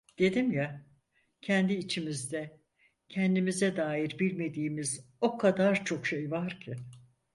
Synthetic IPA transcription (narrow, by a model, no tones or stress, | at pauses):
d̪̥e̞d̪imja | cʰɛnd̪iːt͡ʃʰimizd̪ɛ | cʰɛnd̪imizɛd̪aːjiɾbilʲme̞d̪iːmizo̞kʰad̪aɾt͡ʃʰo̞kʃe̞jvaɾcʰɪ